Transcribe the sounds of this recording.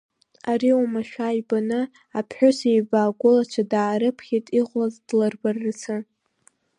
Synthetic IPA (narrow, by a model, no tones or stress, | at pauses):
aɾiumaʃᶣajbanɨ | apʰħʷᶣʊsajbaːɡʷʊlat͡ʃʷʰadaːɾɨpʰχʲetʼiʁʷlazdlarbarːɨt͡sʰɨ